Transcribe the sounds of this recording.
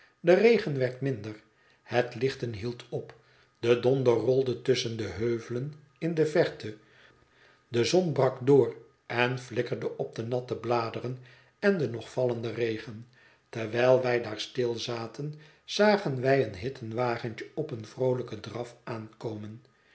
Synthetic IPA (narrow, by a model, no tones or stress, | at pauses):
dərejχənʋɛɹtmɪndər | hətlɪχtənɦilˠtʰɔp | d̥ədɔndərɔlˠdətɵsəndəɦøːvələn | ɪndəvɛɹtə | dəzɔnbrɑkdʊːr | ɛnflɪkəɹdəʔɔb̚d̪ənɑtəblaːdərən | ɛndənɔχfɑləndəreɪχən | təɹʋɛjlˠʋɛjdaːɹstɪlˠzaːtən | z̥aːχənʋɛjənɦɪtʰənʋaːχənt͡ʃəɔpənvrowləkədrɑfaːnkowmən